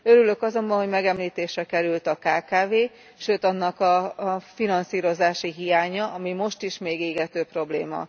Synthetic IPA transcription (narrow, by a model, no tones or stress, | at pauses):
ø̞ɾylø̞kɒzo̞mbɒnho̞ɟmɛɡɛmliːt̪eːʃrɛkɛɾylt̪ɒkaːkaːveː | ʃøːt̪ɒnːɒkɒfinɒnsiːɾo̞zaːʃiɦijaːɲɒɒmimo̞ʃt̪iʃmeːɡeːɡɛt̪øːpro̞blḛːmɒ̰